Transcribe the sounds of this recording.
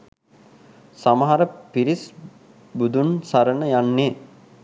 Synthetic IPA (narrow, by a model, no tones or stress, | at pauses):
saməɦaɾəpiɾis | bud̪unsaɾənəjanːe